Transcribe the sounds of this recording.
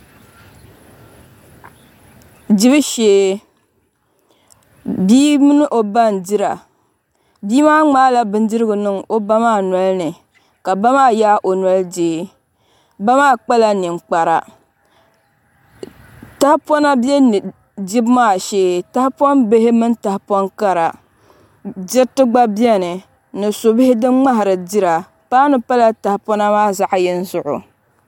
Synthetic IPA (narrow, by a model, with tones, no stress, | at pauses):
d͡ʒi˦bɨ˦ʃeː˦ | biː˦mɨ˦nɨ˦ʔo˨ba˦n˨di˦ɾa̰˨ | biː˦maː˦ŋ͡maː˦la˦bɨ˦n˦dɨ˦ɾɨ˦ɡɨ˨nɨ˦ŋo˦ba˦maː˦˨nɔ˨lnɨ˨ | ka˨ba˦maː˦˨jaː˦ʔo˨nɔ˦ld͡ʒeː˦ | ba˦maː˦˨k͡pa˦la˨ni˨ŋ͡mk͡pa˨ɾa̰˨ | ta˦hpɔ˦na˦bɛ˦n˨ | di˦bmaː˦˨ʃeː˦ta˦hpɔ˦nbe˦ɦɪ˦mɨ˦nta˨hpɔ˦nka˦ɾa˨ | d͡ʒɪ˦tɨ˦ɡ͡ba˦bi˦ɛ˦nɨ˨ | nɨ˨so˨bɪ˦hɪ˦dɨ˦ŋ͡ma˦ɦɪ˨ɾɨ˨di˦ɾa˨ | paː˦nɨ˦pa˦la˦ta˨hpɔ˦na˦maː˦˨za˨ʔjɛ˦n˦zʊ˨ʔʊ̰˨